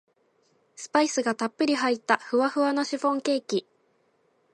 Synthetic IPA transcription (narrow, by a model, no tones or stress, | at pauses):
sɨ̥paisɨɡat̪apːɯ̟ɾʲiɦait̪ːaɸɯ̟βaɸɯ̟βano̞ɕiɸõ̞ŋke̞ːkʲi